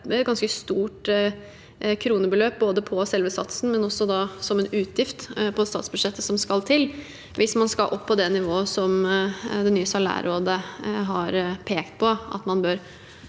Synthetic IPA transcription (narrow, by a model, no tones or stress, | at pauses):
ɛt̪ɡɑnskəst̪uːʈ | kʰɾuːnəbəløːp̚boːd̪əpʰɔsɛlʋəsɑ̰t̪sn̩mɛnɔsɔd̪ɑsɔmɛnʉːt̪ʰjɪft̪pʰɔst̪ɑ̰ːt̪sbʉd̪ʂɛt̪ːəsɔmskɑlt̪ʰɪl | ʋʔɪsmɑnskɑʔɔpʰːɔd̪ɛnɪʋoːəsɔmd̪ɛnyːəsɑlæ̰ːɾoːd̪əɦɑɾpʰeːkt̪̚pʰɔɑ̰t̪mɑnbøːɾ